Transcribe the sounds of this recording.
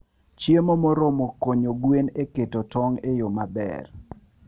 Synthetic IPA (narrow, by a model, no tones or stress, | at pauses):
t͡ʃjemomɔɾomokːoɲoɡweneketotɔŋejomabɛ̰r